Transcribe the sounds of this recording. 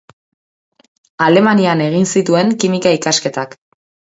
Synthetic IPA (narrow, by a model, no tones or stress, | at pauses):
ale̞maniane̞ɣ̞insit̪ue̞ŋkimikaikaske̞t̪ak